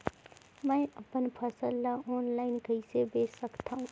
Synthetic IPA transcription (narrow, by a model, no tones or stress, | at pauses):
mɛ̃ːɐpənpʰəsəlːaʔɔːnlaːɪnkəisebeːəkt̪aɦũ